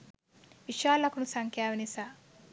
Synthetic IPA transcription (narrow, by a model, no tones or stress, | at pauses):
ʋiʃaːlɐkunusɐŋkʰjaːʋinisa